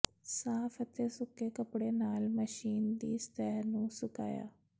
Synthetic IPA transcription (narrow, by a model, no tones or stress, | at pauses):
saːpʰət̪eːsʊkːeːkəpɽeːnaːlməʃiːnd̪iːst̪ɛːɦnũːsʊka̰ːja̰ː